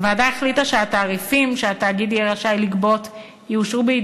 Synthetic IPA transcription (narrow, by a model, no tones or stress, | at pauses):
vaːdaeχlitaʃeataːʁifimʃeataːɡid̪ijɛʁaʃajlikbo̞t | juuʃʁubeid